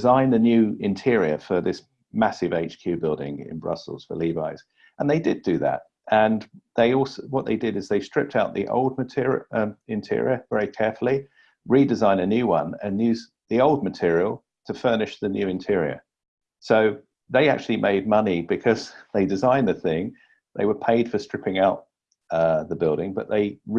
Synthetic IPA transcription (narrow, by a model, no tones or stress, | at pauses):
zãɪ̃nðɨnjʉɪ̃ntʰɪɹiə̰fəðɪs | masɨveɪt͡ʃkʰj̥ʉbɪlˠdɪ̰̃ŋɪ̰̃nbɹʌ̰sl̩ˠz̥fə̰liva̰ɪz̥ | ʔə̃nðeɪdɪdɨðə̰t̚ | ʔə̃nðeɪɔˑlˠswʌʔ̪̚ðeɪdɪɾɨzðeɪstɹ̥ɪp̚tʰaʊʔ̪̚ðiʔo̰ʊlˠd̚mətʰɪɹʌ̃mɪ̃ntʰɪ̰ɹḭəvɛɹikʰɛɹfl̩ˠi | ɹidɨzãɪ̃nɨnjʉwʌ̃nɨ̃njʉz | ðioʊlˠd̚mɨtʰɪɹil̩ˠ | tʰəfɜ˞nɨʃðɨnjʉɨ̃ntʰɪɹiə̰˞ | soʊ | ðeɪa̰k̚t͡ʃʉl̩ˠimʔḛɪd̚mʌnibɨkʰʌz̥ðeɪdɨzãɪ̃nðɨθɪ̃ŋ | ðḛɪwəpʰeɪd̥fə˞stɹ̥ɪpɪ̃ŋaʊt̪̚ | ðəbɪlˠdɪ̃ŋbʌʔ̪̚ðeɪ